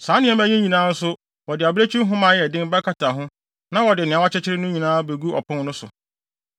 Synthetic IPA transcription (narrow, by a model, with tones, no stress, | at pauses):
sã˨˦nɪ̃˦ɛ˦mæ˦ɲĩ˦ɲĩ˨nãː˨˦n̩˦sʊ˦ | wɔ˨dɪ˨a˨bɪ˦ɾe˦t͡ɕʰᶣi˦ɦʊ̃˦mãː˨˦jɛ˨dɪ̃˦m˦ba˦kʰa˦tʰa˨ɦʊ̃˦ | nã˦wɔ˨dɪ˨nɪ̃˨a˨˦wa˦t͡ɕʰɪ˦t͡ɕʰɪ˦ɾɪ˦nʊ̃˦ɲĩ˨nãː˦be˨ɡu˦ɔ̰˨pʰʊ̃˦ŋ˦nʊ̃˦sʊ˨